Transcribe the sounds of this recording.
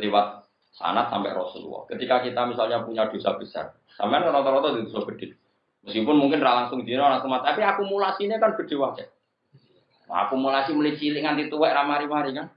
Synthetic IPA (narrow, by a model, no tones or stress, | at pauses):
liwat̪̚ | sa̰nat̪sa̰mpɛ̰ʔrɔsṵlṵwɔ̰kət̪ikakit̪amisalɲapuɲad̪̥o̤sa̰b̥ə̤sa̰r | sampeankaɾɔt̪ɔɾɔt̪ɔd̪id̪osɔb̥əd̪̥e̤ | məskipʊnmuŋkɪnralaŋsʊŋd͡ʒi̤neolaŋsuŋmat̪apiakumulasinekanb̥ə̤d̪̥e̤wakɛ | a̰kumulasiməlit͡ʃilɪʔŋant̪it̪uwɛʔɾamaɾimaɾikan